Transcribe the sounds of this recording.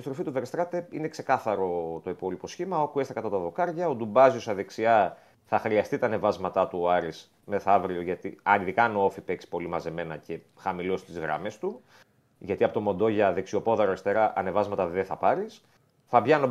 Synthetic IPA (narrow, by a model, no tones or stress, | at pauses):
ist̪ɾo̞fit̪uveɾest̪ɾɐt̪e̞ine̞kse̞kɐθɐɾo̞t̪o̞ipo̞lipo̞sçimɐo̞kue̞st̪ekɐt̪ɐt̪ɐðo̞kɐɾʝɐod̪ubɐziosɐðe̞ksiɐ | θɐxɾiɐst̪it̪ɐːne̞vɐzmɐt̪ɐt̪uoɐɾis | me̞θɐvɾioʝɐt̪iɐniðikɐnoofipe̞ksi̥po̞limɐze̞me̞nɐce̞ | xɐmilo̞st̪izɣɾɐ̰me̞st̪u | ʝɐt̪iɐpo̞t̪o̞mo̞nd̪o̞ʝɐðe̞ksio̞po̞ðɐɾoest̪e̞ɾɐʔɐne̞vɐzmɐt̪ɐðeθɐpɐɾis | θɐbʝɐno